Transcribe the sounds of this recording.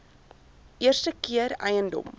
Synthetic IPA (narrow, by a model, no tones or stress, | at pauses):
ʔiərstəkiəɾɐjəndɔ̰m